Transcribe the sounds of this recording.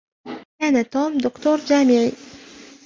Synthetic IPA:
kaːnat̪oːmd̪ʊkt̪uːɾd͡ʒaːmɪʕiː

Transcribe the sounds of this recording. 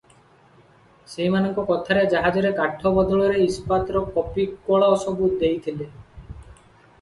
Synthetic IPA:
seɦimanɔŋkɔkɔt̪ʰaɾed͡ʒaɦad͡ʒɔɾekaʈʰːɔbɔd̪ɔɭɔɾeispat̪ɾɔkɔpikoɭaɔsɔbut̪d̪ejt̪ʰile

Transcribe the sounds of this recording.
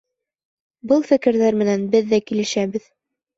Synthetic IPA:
bɤlˠfɘ̆kɘ̆ɾðæɾmɘ̆nænbɘðːækilɘ̆ʃæβɘð

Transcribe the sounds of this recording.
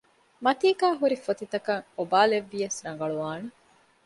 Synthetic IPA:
mɐt̪iːkaːɦuɾifot̪it̪ɐkɐŋobaːleʋːijɐsɾɐŋ̆ɡɐɭuʋaːne

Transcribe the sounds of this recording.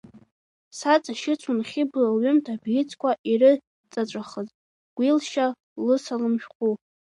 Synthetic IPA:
sat͡sʼaʃɪt͡sʷʰunχʲibɨlaɥʏmtʰabɡʲɪt͡sʰkʷʰaʔiɾɨ | t͡sʼat͡ʃʷʼaχəzʼ | ɡ̥ʷilʃa | lɨsalɨmʃᶣqʷʼu

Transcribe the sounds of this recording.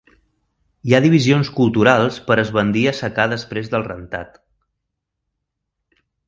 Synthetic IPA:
iaðiβ̞izionskulˠt̪uɾalˠspəɾəzβənd̪iəsəkaðəspɾezðəlˠrənt̪a̰t̪

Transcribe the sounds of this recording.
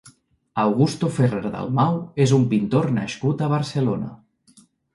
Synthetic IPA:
awɣust̪ufereɾðə̰lˠmawezumpint̪oɾnaʃkut̪əβ̞əɾsəlonə̰

